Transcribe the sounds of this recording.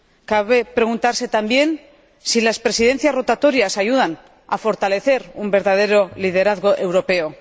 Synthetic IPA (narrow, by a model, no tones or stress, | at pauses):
kaβe̞pɾe̞ɣ̞unt̪aɾse̞t̪ambje̞n | silaspɾe̞siðe̞n̟θjasro̞t̪at̪o̞ɾjasaʝuð̞an | afo̞ɾt̪ale̞θe̞ɾumbe̞ɾðað̞e̞ɾo̞lið̞e̞ɾaðɣo̞ʔe̞wɾo̞pe̞o